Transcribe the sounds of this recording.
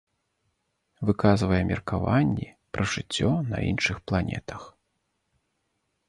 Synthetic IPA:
vɨkazvɐjɛmʲirkavanʲːi | pɾɐʐɨt͡sʲːɔnɐ̰ḭnʂɨxplˠanʲɛ̰t̪ʰɐx

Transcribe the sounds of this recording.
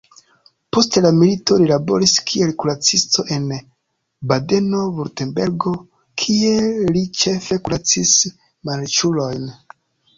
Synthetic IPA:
po̞stelamilito̞lilabo̞̰ɾiskʰie̞lkuɾat͡sisto̞ʔe̞n | bade̞no̞vuɾtenbe̞ɾɡo̞ | kʰie̞lit͡ʃe̞fe̞kulat͡sis | malt͡ʃulo̞jn

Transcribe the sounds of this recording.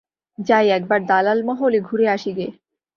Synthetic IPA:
d͡ʑajɛk̚baɖ̚d̪alalməɦoːliɡʱuɾeaɕiɡe

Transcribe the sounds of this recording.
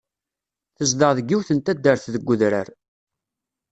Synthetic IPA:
θəzd̪əʁðəɡːiwθənt̪æd̪ːəɾθðəɡʷːʊðɾəɾ

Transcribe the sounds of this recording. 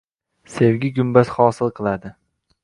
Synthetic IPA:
se̞wɡʲɪɡʲʊmbasχɒːsɪlˠqʰɨlˠad̪ɪ

